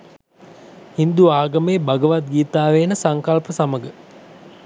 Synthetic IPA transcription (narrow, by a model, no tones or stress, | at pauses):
hind̪uaːɡɐmeːbaɡəʋat̪̚ɡiːt̪aːʋeːnəsaŋkalpəsaməɡə